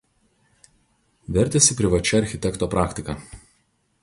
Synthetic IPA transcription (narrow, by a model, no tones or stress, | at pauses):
ʋʲɛɾʲˑt̪ʲɛsʲɪpʲɾʲɪʋɐt͡ʃʲɛɐɾʲxʲɪt̪ʲɛkt̪oːpɾʔɑːkʲt̪ʲɪkɐ